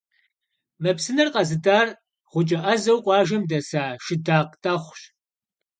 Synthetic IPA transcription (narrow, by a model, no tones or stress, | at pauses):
mɐpsɨnɐrqɐzɨdaːr | ʁʷʊt͡ʃʼɐʔɐzɐwqʷʼɑːʒɐmdɐsaːʃɪdaːqtʼɐχʷɕ